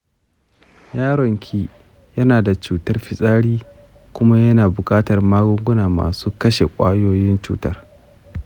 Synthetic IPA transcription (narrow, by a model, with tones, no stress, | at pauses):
jaː˦ɽɔ˨ŋkʲʰiː˦ | jɐ˦naː˨da˨t͡ʃuː˨tɐ˦rɸɪ˦sʼaː˦ɽiː˦ | kʷʊ˦ma˦jɐ˦naː˨bʊ˨kʼaː˦tɐ˨rmaː˦ɡʷʊ˦ŋɡʷʊ˦naː˨ma̰ː˨suː˦kɐ˦ʃe˨kʷʼa̰ː˦joː˦jɪ˦nt͡ʃṵː˦tɐ˦r